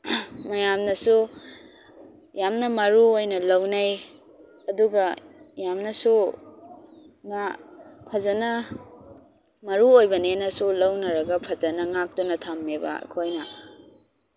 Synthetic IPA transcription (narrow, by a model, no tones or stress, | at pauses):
mɐjamnɐsu | jamnɐmɐɾuojnɐlɐwnaj | ɐduɡɐjamnɐsu | ŋapʰɐzɐnɐ | mɐɾuojbɐnenɐsulɐwnɐɾɐɡɐpʰɐd͡ʒɐnɐŋak̚tɔnɐtʰamːeba̰kʰojnɐ